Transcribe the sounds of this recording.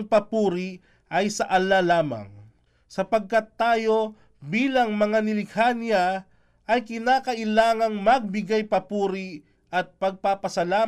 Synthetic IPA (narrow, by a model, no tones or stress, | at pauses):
pɐpuːɾi | ʔɐjsɐʔɐlalaːmɐ̰ŋ | sɐpɐɡ̚kɐt̪ːaːjo̞ | biːlɐŋmɐŋanɪlɪkʰanjɐ | ʔɐjkɪnaːkɐʔɪlaːŋɐŋmɐɡ̚bɪɡajpɐpuːɾi | ʔɐt̪̚pɐɡ̚papɐsɐlaː